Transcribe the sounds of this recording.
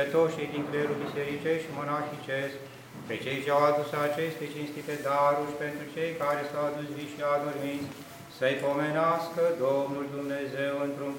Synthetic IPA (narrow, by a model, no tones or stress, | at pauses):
et̪oʃijd̪iŋkleɾuld̪iseɾit͡ʃeʃimənaːxit͡ʃest̪ | pet͡ʃejt͡ʃad̪usat͡ʃeʃʲt̪et͡ʃinst̪it̪ed̪aɾuɾʲpent̪ɾut͡ʃejkaːɾesawad̪usʲviʃiad̪oɾmisʲ | səjpomenaskəd̪omnuld̪umnezewɨnt̪ɾun